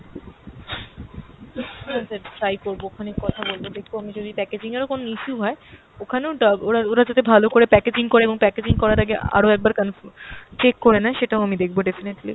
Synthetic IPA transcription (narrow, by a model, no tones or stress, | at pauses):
asʰatajkoɾbookʰanekːɔt̪ʰabolbod̪ekʰboamid͡ʑod̪ʱipɛked͡ʑiŋaɾokonoiʃuɦɔe | okʰaneoɖoɾaoɾad͡ʑat̪ebʱalokoɾepɛked͡ʑiŋkoɾeeboŋpɛked͡ʑiŋkɔɾaɾaɡea̰ɾoɛk̚baɾkanot͡ɕekːoɾenaʃeʈaoamid̪ekʰboɖefineʈli